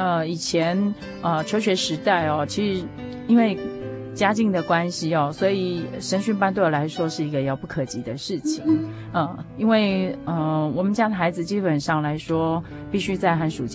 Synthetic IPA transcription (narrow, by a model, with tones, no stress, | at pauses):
ə˧i˨˩t͡ɕʰjɛ˧˥n | ə˧t͡ɕʰjo˧˥ʊɕɥɛ˧˥ʂɻ̩˧˥t̪a˥˩ɪɔ˨˩t͡ɕʰi˧˥ʂɻ̩˧˥ | i˥nwe˥˩ɪ | t͡ɕja˥t͡ɕi˥˩ŋd̪ə˨˩kwa˥nɕi˨ɐ˨˩swɔ˧˥i˨˩ʂə˧˥nɕy˥npa˥nt̪o˥˩o˨˩la˧˥ɪʂwɔ˥ʂɻ̩˥˩i˧˥ɡə˧jɑ˥˩ʊpu˥˩kʰɤ˨˩t͡ɕi˧˥d̪ə˧ʂɻ̩˥˩t͡ɕʰi˨˩ŋ | ə˧˩i˥nwe˥˩ɪə˧˩wɔ˨˩mə˦nt͡ɕja˥d̪ə˨˩xa˧˥ɪd͡zɹ̩˨˧t͡ɕi˥pə˨˩nʂɑ˥˩ŋla˧˥ɪʂwɔ˥ | pi˥˩ɕy˥t͡sa˥˩ɪxa˧˥nʂu˨˩t͡ɕ